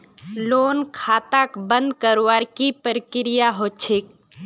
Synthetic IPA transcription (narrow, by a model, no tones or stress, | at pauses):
loːnkʰaːt̪akbə̃nd̪kəɾwaɾkipəɾkɪɾɪjaɦoːt͡ʃʰek